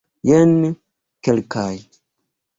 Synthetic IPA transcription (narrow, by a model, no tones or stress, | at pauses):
jɛnː | kelkʰaj